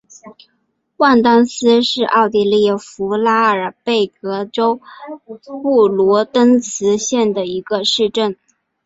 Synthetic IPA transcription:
wa˥˩nt̪ɑ˥ŋsɹ̩˥ʂɻ̩˥˧ʔɑ˥˧ʊt̪i˥˧li˥˩fu˧˥la˥ə˞˨˩pe˥˩ɪkɤ˧˥ʈ͡ʂo˥ʊ | pu˥˩lwɔ˧˥t̪ə˥nt͡sʰɹ̩˧˥ɕjɛ˥˩nd̪ə˩i˧˥ɡ̥ə˧ʂɻ̩˥˧ʈ͡ʂə˥˩n

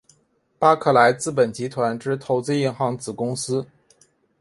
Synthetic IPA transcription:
pa˥kʰɤ˥˩la˧˥ɪt͡sɹ̩˥˩p̬ə˨˩nt͡ɕi˧˥t̪ʰwa˧˥nʈ͡ʂɻ̩˥˩t̪ʰo˧˥ʊt͡sɹ̩˥˧i˥˧nxɑ˧˥ŋt͡sɹ̩˨˩kʊ˥ŋsɹ̩˥

